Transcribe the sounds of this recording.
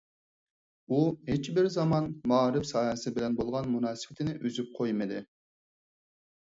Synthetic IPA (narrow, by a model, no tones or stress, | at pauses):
uɦet͡ʃbɪɾzɑmɑnmɑɾɪpsɑːɦɛsɪbɪlɛnbolˠʁɑnmunɑːsɨbɪt̪ʰɪnɪʔyzyp̚qʰojmɨd̪ɪ